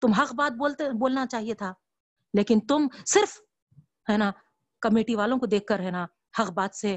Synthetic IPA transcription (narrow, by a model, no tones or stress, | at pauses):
t̪ʊmɦɐqbaːt̪̚boːlt̪eboːlnat͡ʃaːɦiet̪ʰaː | leːkɪnt̪ʊmsɪɾf | ɦɛːna | kɐmeːʈiʋaːlõkod̪eːkʰkɐɾɦɛːna | hɐqbaːt̪se